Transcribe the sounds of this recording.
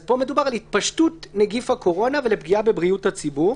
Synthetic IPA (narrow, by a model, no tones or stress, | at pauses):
zpo̞me̞dubaʁalhit̪̚paʃtutneɡifhako̞ʁo̞navelepɡiabe̞bʁiuthat͡sibuʁ